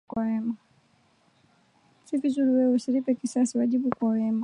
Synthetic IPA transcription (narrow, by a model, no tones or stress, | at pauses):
awɛma | sivizuɾiwɛwusilipɛkisasiwaʄiɓukwawɛma